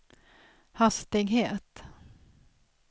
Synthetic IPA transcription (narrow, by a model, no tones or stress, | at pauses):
hast̪ɪɡheːt̪